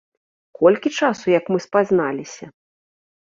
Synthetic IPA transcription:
kʰɔlʲkʲit͡ʂasujɐkmɨspaznalʲisʲɐ

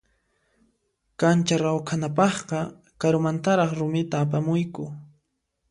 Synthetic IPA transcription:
kant͡ʃaɾawkʰanapɑχqɑ | kaɾʊmant̪aɾɑχɾʊmɪt̪aːp̬amʊjkʊ

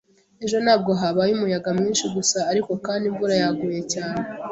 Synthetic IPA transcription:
e̞ʒo̞naːb̚ɡo̞ɦaβajumujaɡamɲiːnʃiɡusaːɾiko̞kaːndiɱvuɾajaɡuje̞caːne̞

